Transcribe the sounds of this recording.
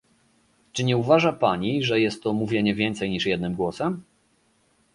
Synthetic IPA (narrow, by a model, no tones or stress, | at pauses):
t͡ʂɘɲɛuvaʐapaɲiʐɛjɛst̪ːɔmuvʲjeɲɛvʲjɛnt̪sɛjɲiʂjɛd̪nɘmɡwɔsɛm